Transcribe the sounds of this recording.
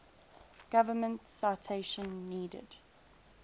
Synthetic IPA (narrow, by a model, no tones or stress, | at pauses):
ɡ̥avəmə̃ntsaɪtʰeɪʃə̃nːiːdə̰d̥